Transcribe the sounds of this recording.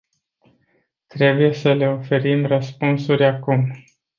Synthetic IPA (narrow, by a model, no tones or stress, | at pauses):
t̪ɾe̞buje̞səle̞o̞fe̞ɾimrəspunsuɾʲakum